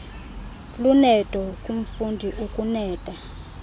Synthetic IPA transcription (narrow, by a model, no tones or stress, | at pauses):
lunɛtʼɔkʼum̩fundʱiʔukʼunɛːtʼa